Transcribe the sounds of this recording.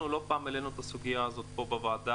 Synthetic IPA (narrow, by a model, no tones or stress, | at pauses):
ulo̞paːmele̞nut̪asuɡijaːzo̞t̪po̞bevaːd̪a